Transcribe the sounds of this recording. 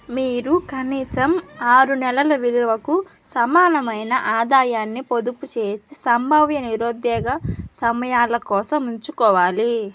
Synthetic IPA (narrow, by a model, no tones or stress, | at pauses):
miːɾukɐniːsɐmaːɾunɛlɐlɐʋiluʋɐku | sɐmaːnɐmɐjnɐʔaːd̪aːjaːnːipod̪uput͡ʃe̞ːsisɐmbʱɐʋjɐniɾoːd̪ɛːɡɐsɐmɐjaːlɐkɔːsɐmuɲt͡ʃukɔːʋaːli